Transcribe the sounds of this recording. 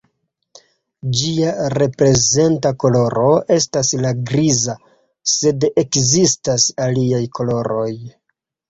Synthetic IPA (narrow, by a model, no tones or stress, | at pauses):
d͡ʒiaɾe̞pɾe̞ze̞ntako̞lo̞ɾo̞e̞staslaɡɾiza | se̞de̞kzistasaliajkʰo̞lo̞ɾo̞j